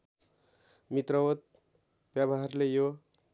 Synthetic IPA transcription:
mit̪rʌwot̪̚ | bjabaɦrlejo

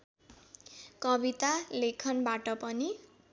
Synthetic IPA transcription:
kʌbit̪alekʰʌnbaʈʌpʌni

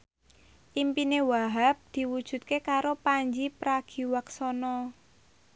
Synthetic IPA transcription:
ʔimpinewaɦap̚d̪̥i̤wud̥ʒ̥ṳt̪̚kekaɾopaɲd͡ʒipɾaɡ̥i̤waksɔnɔ

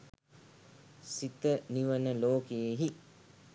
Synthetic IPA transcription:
sit̪əniʋənəloːkeːɦi

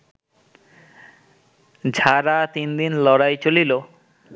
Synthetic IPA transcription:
d͡ʑʱaɾat̪ind̪inlɔɾajt͡ɕolilo

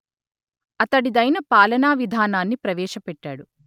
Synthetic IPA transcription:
ɐt̪ɐɽid̪ɐjnɐpaːlɐnaːʋid̪ʱaːnaːnːipɾɐʋɛːʃɐpɛʈːaːɽu

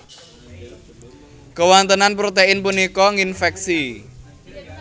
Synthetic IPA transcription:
kəwant̪ənanpɾot̪eɪnpunikɔŋinfɛk̚si

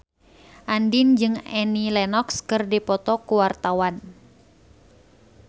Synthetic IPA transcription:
ʔandind͡ʒɨŋɛnilɛnɔkskɨrdipɔt̪ɔkuwart̪awan

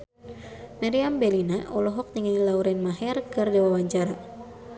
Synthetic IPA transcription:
maɾiambelinaʔɔlɔɦɔk̚t̪iŋanilauɾɛnmaɦɛrkɨrdɛwawaɲt͡ʃaɾa

